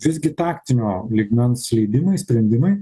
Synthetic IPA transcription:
ʋʲɪzɡʲɪt̪ɑːkt̪ʲɪnʲoːlʲiɡmʲɛnslʲɛɪd̪ʲɪmɐɪsʲpʲɾʲɛnʲd̪ʲɪmɐɪ

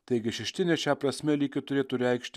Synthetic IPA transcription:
t̪ɐɛɪɡʲɪʃʲɛʃʲt̪ʲɪnʲɛʃʲæːpɾɐsʲmʲɛlʲiːkʲɪt̪ʊɾʲeːt̪ʊɾʲɛˑɪkʃʲt̪ʲɪ

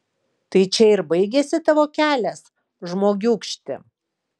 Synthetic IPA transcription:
t̪ɐɪt͡ʃʲɛɪɾbɐɪɡʲesʲɪt̪ɐʋoːkʲæːlʲɛs | ʒmoːɡʲuːkʃʲt̪ʲɪ̰

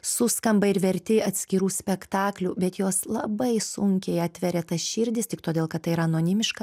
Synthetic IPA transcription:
sʊskɐmbɐɪɾʋʲɛɾʲt̪ʲɪɐt̪ʲsʲkʲɪɾuːsʲpʲɛkt̪ɑːklʲubʲɛt̪joːslˠɐbɐɪsʊŋʲkʲɛɪɐt̪ʲʋʲɛɾʲɛt̪ɐsʃʲɪːɾʲd̪ʲɪst̪ʲɪkt̪oːd̪ʲeːlˠkɐt̪̚ːɐɪiɾɐɐnoːnʲɪmʲɪʃkɐ

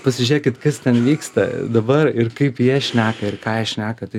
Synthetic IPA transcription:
pɐsʲɪʒʲeɛkʲɪt̪kɐst̪ʲɛnʋʲiːkst̪ɐd̪ɐbɐrɪrkɐɪpjiɛʃʲnʲæːkɐɪrkɑːjiɛʃʲnʲæːkɐt̪ɐɪ

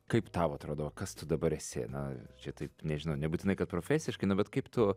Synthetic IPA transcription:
kɐɪpt̪ɑːʋoːɐt̪ɾoːd̪oːʋɐkɐst̪ʊd̪ɐbɐɾɛsʲḛnɐt͡ʃʲɛt̪ɐɪpnʲɛʒʲɪnɐʊnʲɛbuːt̪ʲɪnɐɪkɐt̪pɾoːfʲæːsʲɪʃkɐɪnʊbʲɛt̪kɐɪpt̪ʊ

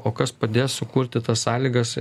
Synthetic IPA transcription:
oːkɐspɐd̪ʲeːssʊkuːɾʲt̪ʲɪt̪ɐssɑːlʲiːɡɐs

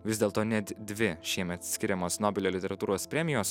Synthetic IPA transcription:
ʋʲɪzʲd̪ʲeːlˠt̪oːnʲɛt̪d̪ʲʋʲɪʃʲiɛmʲɛt̪sʲkʲɪɾʲɛmoːsnoːbʲɪlʲoːlʲɪt̪ʲɛɾɐt̪uːɾoːspʲɾʲɛmʲɪjoːs

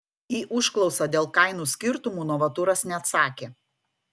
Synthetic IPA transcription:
iːʔʊʃklˠɒʊsɐːd̪ʲeːlˠkɐɪnuːsʲkʲɪɾt̪ʊmuːnɔʋɐt̪ʊɾɐsnʲɛɐt̪sɑːkʲeː

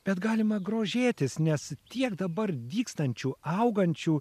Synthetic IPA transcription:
b̥ʲɛt̪ɡɑːlʲɪmɐɡɾoːʒʲeːt̪ʲɪsnʲɛst̪ʲiɛkd̪ɐbɐrd̪ʲiːkst̪ɐnʲt͡ʃʲuːɐʊɡɐnʲt͡ʃʲuː

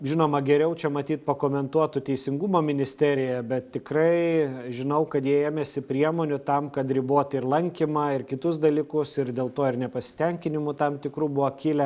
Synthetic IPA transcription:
ʒʲɪnoːmɐɡʲɛɾʲɛʊt͡ʃʲɛmɐt̪ʲiːt̪̚pɐkoːmʲɛnt̪uɔt̪ʊt̪ʲɛɪsʲɪŋɡumoːmʲɪnʲɪsʲt̪ʲæːɾʲɪjɛbʲɛt̪tʲɪkrɐɪʒʲɪnɐʊkɐt̪jiɛeːmʲeːsʲɪpʲɾʲiɛmoːnʲʊt̪ɐmkɐt̪ɾʲɪboːt̪ɪrlˠɐŋʲkʲɪmɑːɪrkʲɪt̪ʊs̬d̪ɐlʲikʊsɪrd̪ʲeːlˠt̪oːɪrnʲɛpɐsʲɪ̥t̪ʲɛŋʲkʲɪnʲɪmʊt̪ɐmt̪ʲɪkɾuːbʊʋokʲɪlʲɛ

